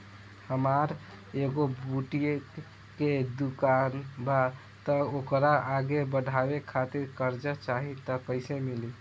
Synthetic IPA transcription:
həmaɾ | eɡobuʈie | ked̪ukanba | t̪əokɾaʔaɡebəɖʱabekʰat̪iɾkəɾd͡ʒət͡ʃaɦit̪ɔkəɪsemili

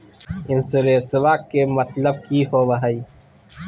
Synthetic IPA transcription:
ɪnsuɾeːsɪwaːkːemɐt̪ləb̚kihoːʋɐɦaiː

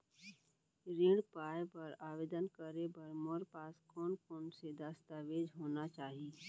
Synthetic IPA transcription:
ɾeːɽpaːjpɐɾaːʋeːd̪ənkəɾebɐɾmoɾpaːskɔːnkoːnsed̪aːst̪aːʋeːd͡ʒɦoːnat͡ʃaːɦieː

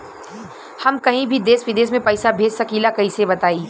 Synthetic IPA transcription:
hɐmkɐɦĩbʱid̪eːsʋɪd̪eːsmẽpɐːɪsabʱeːd͡ʒsɐkiːlakɐɦĩsebɐt̪aːiː

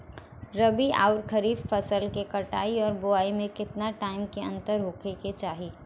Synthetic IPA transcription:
ɾɐbia̰ːʊɾkʰəɾiːbfɐsəlkekɐʈaːiɔːɾbʊaːimẽkɪt̪naʈaːɪmkeɐ̰̃nt̪əɾɦoːkʰeket͡ʃaːɦiː

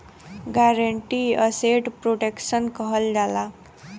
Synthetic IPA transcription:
ɡaɾəɳʈiːəseʈpɾoʈekɕənkəɦəld͡zʱala

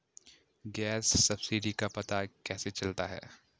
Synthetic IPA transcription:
ɡɛːsːɐbsɪɖikapɐt̪akɛːset͡ʃɐlt̪aɦɛ̰ː

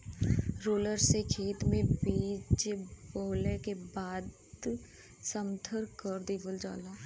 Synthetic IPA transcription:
ɾoːləɾsekʰeːt̪mẽbiːt͡ʃboːlekebaːd̪ | səmt̪ʰəɾkəɾd̪iːʋəld͡ʒa̰ːlaː

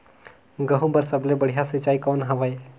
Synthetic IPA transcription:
ɡəɦũbɐɾsəblebəɽ̤ijasɪt͡ʃaːikɔːnɦɐʋae

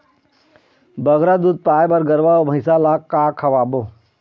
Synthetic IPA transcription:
bɐɡɾad̪uːd̪̚paːjbɐɾɡəɾʋaɔbʱɐɪsalaːkːaːkʰɐʋaːbo

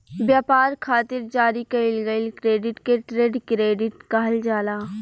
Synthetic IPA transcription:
bjaːpaːɾkʰaːt̪ɪɾd͡ʒaːɾikɐɪlɡəlkɾeːɖɪʈkeʈɾeːɖkɾeːɖɪʈkaɦld͡ʒaːlaː

